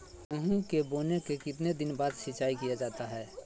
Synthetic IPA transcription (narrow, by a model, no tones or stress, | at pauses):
ʊɦũkeboːnekekɪt̪ned̪ɪnbaːd̪ʃɪt͡ʃaːikijad͡ʒaːt̪aɦɛː